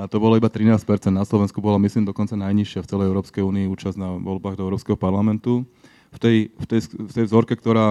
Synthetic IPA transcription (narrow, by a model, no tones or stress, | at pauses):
at̪ɔbɔlaibat̪ɾinaːsc̚pɛɾt͡sɛnd̪naslɔʋɛnskubɔlamisliːmd̪ɔkɔnt͡sanajɲiʃɪaft͡sɛlɛjɛʊɾɔːpskɛjuːniːuːt͡ʃaznaʋɔlbaːɣd̪ɔɛʊɾɔːpskɛɦɔpaɾlamɛnt̪u | ft̪ɛjft̪ɛjsft̪ɛjvzɔɾkɛkt̪ɔɾaː